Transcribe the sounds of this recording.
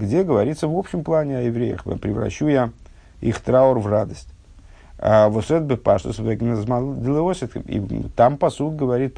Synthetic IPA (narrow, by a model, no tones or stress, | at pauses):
ɡdʲeɡəvɐɾʲit̪səvopɕɪmplˠanʲɪɐjɪvɾʲejə̰xpɾʲɪvɾɐ̰ɕːuja | ixt̪ɾaʊrvrad̪əsʲtʲ | a̰voset̪̚bɨpaʂt̪əsvɛɡʲnəzmad̪ɨlˠɨosʲet̪kḭt̪ampɐsut̪̚ʲɡəvɐɾʲit̪̚